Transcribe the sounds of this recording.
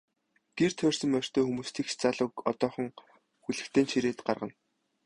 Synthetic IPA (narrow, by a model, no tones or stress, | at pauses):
ɡ̥ert̪ʰœːr̥sə̆mpær̥ʲt̪ʰœːxumuːst̪ʰiːkt͡ɕt͡saɮʊːkɔt̪ɔːχɞ̆ŋ | xuɮɘ̆kt̪ʰeːnʃiɾeːt̪ɢarʁə̆n